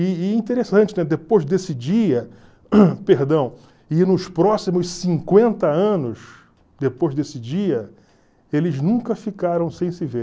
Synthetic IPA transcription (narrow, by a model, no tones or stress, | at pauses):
ɪĩnt̪eɾesɐ̃t͡ʃɪnɛd̪epojzd̪esɪd͡ʒiɐ | peɾd̪ɐ̃w̃ | ɪnʊspɾɔsimʊssĩŋkwẽnt̪ɐɐ̃nʊs | d̪epojzd̪esɪd͡ʒiɐ | elɪznũŋkɐfikaɾɐ̃w̃sẽj̃sɪve